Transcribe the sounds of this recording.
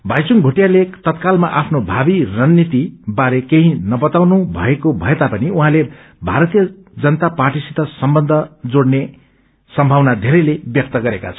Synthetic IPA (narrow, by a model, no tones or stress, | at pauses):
bʱajt͡suŋbʱuʈijalet̪ʌt̪kalmaʔapʰnobʱabirʌnːit̪ibaɾekeɦĩnʌbʌt̪awnubʱʌ̰ekobʱʌet̪apʌniuɦãle | bʱaɾʌt̪ijʌ | d͡zʌnʌt̪aparʈisit̪ʌsʌmbʌnd̪ʱʌd͡zoɽne | sʌmbʱawnad̪ʱeɾʌjlebjʌk̚t̪ʌɡʌɾeka̰t͡sʰʌ̥